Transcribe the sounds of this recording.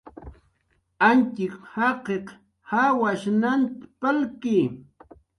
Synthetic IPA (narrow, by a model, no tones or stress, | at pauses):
ant͡ʃɪkhɑqeq | hawaʃnant̪palkiː